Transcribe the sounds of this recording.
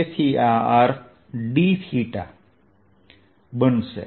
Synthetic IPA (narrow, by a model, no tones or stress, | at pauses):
esʰiːaːaːɾ | ɖishiːʈa | bənsḛ